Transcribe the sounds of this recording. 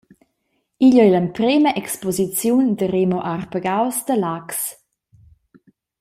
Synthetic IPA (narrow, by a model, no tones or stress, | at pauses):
iʎɔɛləmpɾeməʔɛkspɔzit͡sjundəɾemoʔarpəɡawsd̪əlaks